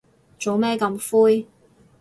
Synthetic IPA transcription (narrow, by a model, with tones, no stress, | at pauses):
t͡so˨˥wmɛː˥kɐ˧mfuː˥j